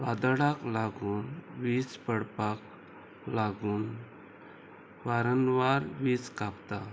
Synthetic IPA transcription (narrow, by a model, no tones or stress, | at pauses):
ad̪əɽaklaɡuːnʋispəɽpak | laɡuːn | ʋaɾənʋaɾʋiːskapt̪a